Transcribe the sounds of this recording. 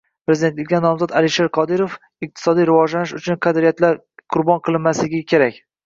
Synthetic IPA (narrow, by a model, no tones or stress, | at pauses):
pɾe̞zɪd̪et̪lɪkʲːanɒmzɒt̪alɪʃeɾqʰɒd̪ɪɾof | ɪq̚t̪ʰɪ̥sɒd̪ijɾɪvɒd͡ʒlanɪʃʊt͡ʃʰʊnqʰɑd̪ɾijat̪laɾ | qʰʊɾbɒnqʰɨlˠɪnmaslɪɡʲɪkʲʰe̞ɾakʲ